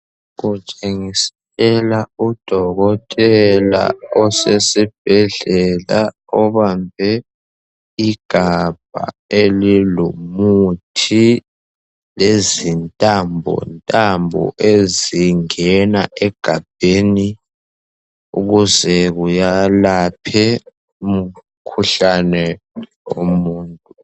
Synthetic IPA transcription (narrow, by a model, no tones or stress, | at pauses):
ɣut͡ʃʼeŋisɛ | ɛlaud̥ʱɔɣɔtʼɛla̰ɔsesib̥̚ʱɛɮɛla | ɔβambʱɛ | iɡ̥ʱab̥̚ʱa̰elilomutʰi | lezintʼambʱɔ̰ntʼambʱɔ̰ʔeziŋɛnaʔɛɡ̥ʱab̥ʱeːni | ṵɣuzɛɣujalapʰɛ | um̩ | kʰuɬanɛ | o̰muːntʼu